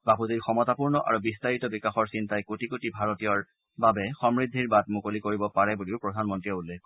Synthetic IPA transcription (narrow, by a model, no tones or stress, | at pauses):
baputiɹxɔmɔtapuɹnɔʔa̰ɹubistaɹitɔbikaxɔɹsintajkotikotibʱaɹotijɔɹ | babɛxɔmɹid̪ʱːiɹbat̚mukolikoɹibɔpaɹɛbuliʊpɹɔdʱanmɔntɹijɔulːɛk